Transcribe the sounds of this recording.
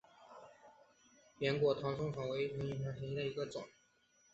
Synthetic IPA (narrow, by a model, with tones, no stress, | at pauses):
pjɛ˧˥nkwɔ˨˩t̪ʰɑ˧˥ŋʂʰʊ˥ŋfɑ˨˩ŋwe˧˥ɪt̪ʰɤ˧˥ŋi˨˩a˧˥tʰi˧˥ŋd̪ə˧i˧˥ɡə˧t͡sʊ̰˨˩˦ŋ